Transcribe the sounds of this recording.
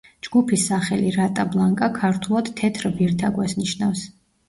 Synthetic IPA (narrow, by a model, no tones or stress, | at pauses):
d͡ʒɡupʰisːaχɛliɾat̪ʼablˠaŋkʼakʰaɾt̪ʰulˠad̪̥t̪ʰɛt̪ʰɾbiɾt̪ʰaɡwɛsniʃnafs